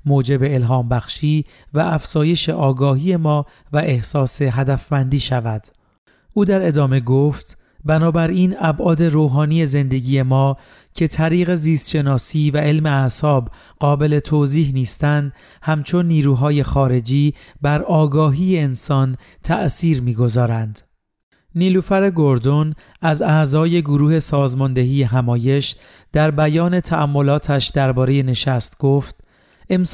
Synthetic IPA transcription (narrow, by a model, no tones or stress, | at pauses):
moːd͡ʒe̞be̞ːlɦɒːmbæxʃiː | væʔæfz̥ɒːje̞ʃe̞ʔɒːɡɒːɦiːe̞mɒː | væʔehsɒːse̞ɦæd̪æfmænd̪iːʃævæd̪̥ | ʔuːd̪æɾe̞d̪ɒːme̞ɡoːft̪ | bænɒːbæɾiːnæbʔɒːd̪e̞ɾoːɦɒːniːje̞ze̞nd̪e̞ɟiːje̞mɒː | cʰe̞t̪ʰæɾiːɣe̞ziːst̪ʃe̞nɒːsiːvæʔe̞lme̞æsɒːb | ɢɒːbe̞le̞t̪ʰoːziːɦniːst̪ænd̪ | hæmt͡ʃʰo̞nːiːɾuːɦɒːje̞xɒːɾe̞d͡ʒiː | bæɾɒːɡɒːɦiːjeːnsɒːn | t̪ʰæ̰ʔsiːɾmiːɡo̞zɒːɾænd̪̥ | niːluːfæɾe̞ɡoɾd̪on | æzæʔzɒːje̞ɡoɾuːhe̞sɒːzmɒnd̪e̞ɦiːje̞ɦæmɒːje̞ʃ | d̪̥æɾbæjɒːne̞t̪ʰæʔæmːo̞lɒːt̪ʰæʃd̪̥æɾbɒːɾe̞je̞ne̞ʃæst̪ɡ̥oːft̪̚ | e̞m